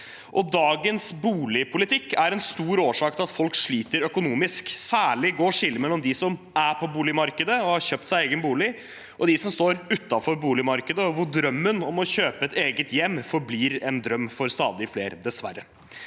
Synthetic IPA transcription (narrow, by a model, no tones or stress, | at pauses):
ʔɔd̪ɑːɡənsbuːlɪpʰʊlɪt̪ʰɪkːæɾɛnst̪uːɾoːʂɑːkt̪ʰɪlɑt̪fɔlkʂɭiːt̪əɾœkʊnuːmɪsksæːɭɪɡoːʂɪlːmɛlːɔmd̪ɪsɔm | æpʰɔbuːlɪmɑɾkəd̪əɔhɑɾɕøːp̚t̪sæɪeɪɡənbuːlɪ | ʔɔd̪ɪsɔmst̪oːɾʉt̪ːɑfɔɾbuːlɪmɑɾkəd̪əɔʋʊɖ̪ɾœmːənɔmɔçøːpəɛt̪eːɡət̪jɛmːfɔɾbliːɾɛnd̪ɾœmːfɔɾst̪ɑ̰ːd̪ɪfleːɾd̪ɛsʋæ̰ɾːə